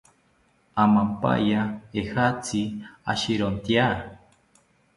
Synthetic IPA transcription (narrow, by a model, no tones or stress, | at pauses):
amampa̰jaehat͡sia̰ʃiɾont̪ja